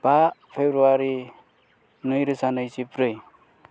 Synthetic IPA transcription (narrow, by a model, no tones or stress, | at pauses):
b̥apʰebɾuaɾi | nɯjɾɯsanʌjsipɾɯj